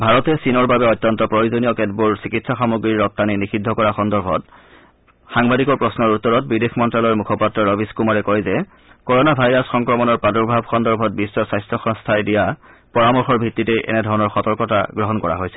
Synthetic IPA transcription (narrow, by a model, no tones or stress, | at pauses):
bʱaɹɔtɛsinɔɹbabɛɔtːjɔntɔpɹojuzonijɔkɛdbuɹsikitsaxamuɡɹiɹːɔt̚taninixidʱːɔkɔɹaxɔndɔɹbʱɔt | xaŋbadikɔɹpɹɔsnɔɹutːɔɹɔt̚bidexmɔntɹalɔɹmukʰɔpatːɹɔɹɔbiskumaɹɛkɔjzɛ | koɹonabʱajɹasxɔŋkɹɔmɔnɔɹpadɔɹbʱabxɔndɔɹbʱɔt̚bisːɔsajstɹɔxɔŋstʰajdija | pɔɹamɔxɔɹbʱitːitejʔɛ̰nɛdʱɔɹɔnɔɹxɔtɔɹkɔta̰ɡɹɔɦɔnkɔɹa̰ɦojsɛ